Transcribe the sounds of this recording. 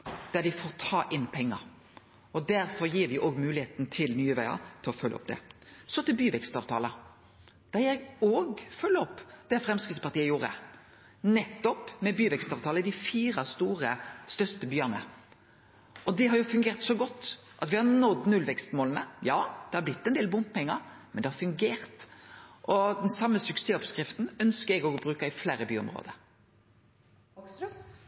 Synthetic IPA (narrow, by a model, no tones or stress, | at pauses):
d̪̥æɾd̪ɪfoːɾt̪ʰɑːʔɪnpʰɛŋːə̰ɾ | ɔd̪æɾfɔɾjiːɾʋɪʔoːɡmʉːlɪeːt̪nt̪ʰɪlnyːəʋæɪɑ̰t̪ʰɪlɔfœlːʔɔ̰p̚d̪ɛ̰sɔt̪ɪlbyːʋɛkst̪ɑːʋt̪ʰɑːlə | d̪̥æɾjæɪoːɡfœlːəɔpd̪̥ɛfɾɛmskəsəpɑɾt̪iːəjuːɾə̰ | nɛt̪ːɔpmɛbyːʋɛkst̪ɑːʋt̪ʰɑːləd̪ɪfiːɾɑst̪uːʁəst̪œɾt̪əbyːɑnə̰ | ɔd̪ɛɦɑɾjʊfʉŋɡeːʁt̪sɔɡɔt̪ːʔɑt̪ʋɪhɑɾnɔd̪nʉlʋɛkst̪moːlənəjɑːd̪̥ɛhɑɾblɪt̪ːɛnd̪eːlbʊmppɛŋːəɾ | mɛnd̪ɛhɑɾfʉŋɡeːɾt̪ʔɔd̪ɛnsɑmːəsʉkseːɔpskɾɪft̪n̩œnskəɾɛɡɔɡbɾʉːkɑɪflæːɾəby̰ːɔ̰mʁo̰ːd̪ə